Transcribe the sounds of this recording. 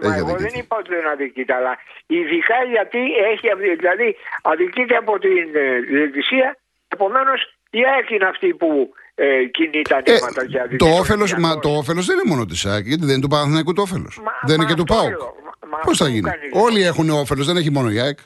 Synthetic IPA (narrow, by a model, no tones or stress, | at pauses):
ḛçiɐ̰ðḭkienipɐt̪onɐðicit̪eɐlɐiðikɐʝɐt̪ieçiɐftiðilɐðiɐðicit̪eɐpo̞t̪inet̪isiɐ | e̞po̞me̞no̞s | iɐkineɐft̪ipu | cinit̪ɐnt̪eimɐt̪ɐceɐðit̪oofelo̞s̬mɐt̪oofe̞lo̞zðeninemo̞not̪isɐkʝɐt̪iðent̪upɐɾɐθnɐjkut̪uofe̞lo̰sðeineket̪upɐu | mɐposθɐʝin̰o̞lie̞xuneofe̞lozðe̞neçimo̞no̞iɐk